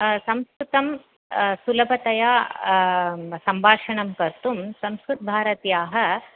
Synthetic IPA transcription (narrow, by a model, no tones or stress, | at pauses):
sɐ̃mskɾut̪ɐm | sulɐbʱɐt̪ɐjaː | sɐmbʱaːʂɐɳɐmkɐɾt̪umsɐmskɾut̪̚bʱaːɾɐt̪jaːɦɐ̆